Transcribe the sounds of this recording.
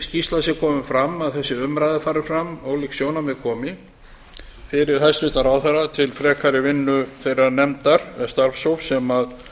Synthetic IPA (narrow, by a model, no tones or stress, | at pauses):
scist̪lasjɛkʰɔːmɪfɾamːaðθɛsːɪʏmɾajðɪfaːɾɪɾfɾamoɣliksjoːwnamɛðkʰɔːmɪ | fɪɾɪɾ̥θɛsːʏt̪aɾaːwθɛrːat̪ʰɪlfɾɛːkʰaɾɪvɪnːʏθejɾaɾnɛmt̪aɾ̥ɛst̪aɾfsowfsɛmað